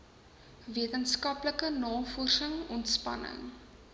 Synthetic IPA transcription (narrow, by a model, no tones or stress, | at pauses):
viətənskɐpləkənɑːfɔrsəŋɔntspɐ̰nə̰ŋ